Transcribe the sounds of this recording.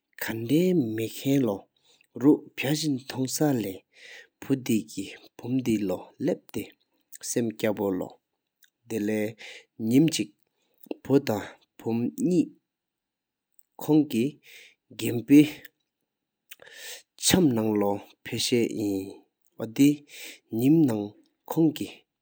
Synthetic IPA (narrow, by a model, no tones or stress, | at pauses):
kʰandɛːmekʰɛnlɔ | ɹuʔpʰaɕint̪ʰɔŋsalɛː | pʰud̪iʔkipʰumd̪ilɔlep̚t̪e | semcapolɔ̰ | d̪elɛː | ɲimt͡ɕiʔ̚ | pʰut̪aŋ | pʰumɲiːʔ | kʰɔŋki | ɡempeː | t͡ɕʰamnaŋlɔpʰeɕɛːjin | wɔt̪iɲimnaŋ | kʰɔŋki